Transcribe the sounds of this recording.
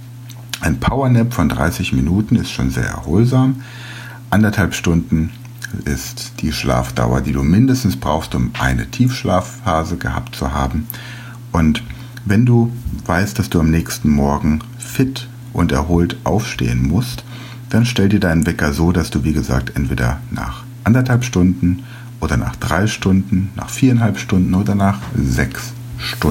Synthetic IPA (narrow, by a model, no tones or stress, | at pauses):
ʔaɪnpʰaʊɐnɛpfɔndʁa̰ɪsɪçminuːtn̩ɪstʃo̰ːnzḛːɐʔɛ̰ɐhoːlzaːm | ʔandɐthalpʃtʊndn̩ | ɪ̰std̥iːʃla̰ːfd̥a̰ʊɐ̰diːduːmɪndəstn̩sb̥ʁaʊxstʊmʔa̰ɪnə̰tʰiːfʃlaːf | aːzəɡəha̰ːp̚tt͡suɦaːbm̩ | ʔʊnt | vɛnduːv̥aɪst̚d̥asd̥uːamnɛːçstn̩mɔɐɡŋ̩ | fɪt | ʔʊntɛ̰ɐɦoːltʔaʊfʃtḛːənmʊst | d̥anʃtɛldiːɐdaɪnənvɛkɐzoːdasd̥uːviːɡəza̰ːk̚tʔɛntv̥eːdɐ̰na̰ːχ | ʔandɐthalpʃtʊndn̩ | ʔoːɾɐna̰ːχd̥ʁaɪʃtʊndn̩na̰ːχfiːɐanhɦalpʃtʊndn̩ʔoːdɐnaːχzɛks | ʃtʊ